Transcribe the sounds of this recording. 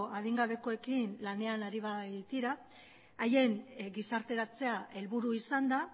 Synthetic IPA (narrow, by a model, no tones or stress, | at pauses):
að̞iŋɡaβe̞ko̞e̞kinlane̞anaɾiβat̪iɾaː | je̞ŋɡisaɾt̪e̞ɾat͡se̞aʔe̞lβuɾuisand̪a